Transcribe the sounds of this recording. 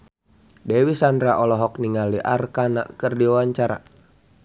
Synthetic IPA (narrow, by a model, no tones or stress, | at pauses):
dɛwisandɾaʔɔlɔɦɔk̚niŋaliʔarkana̰ʔkɨrdiawaɲt͡ʃaɾa̰